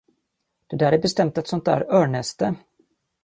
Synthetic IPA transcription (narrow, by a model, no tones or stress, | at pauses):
d̪̥ɛd̪æːɾæɾbɛst̪ɛmt̪ɛt̪sɔnt̪̚d̪æ̰ːɾœːɳɛst̪ə